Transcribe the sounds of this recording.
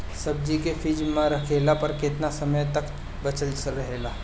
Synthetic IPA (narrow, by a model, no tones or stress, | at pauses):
sɐb̚d͡ʒikefʰiːd͡ʒmẽɾɐkʰeːlapɐɾkɪt̪nasɐməjt̪ɐk | bɐt͡ʃəlsɾɐɦelaː